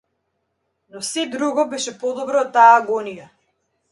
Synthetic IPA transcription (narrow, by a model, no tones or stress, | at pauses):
nɔsɛd̪ɾuɡɔbɛʃɛpɔd̪ɔbɾɔt̪ːaːɡɔnija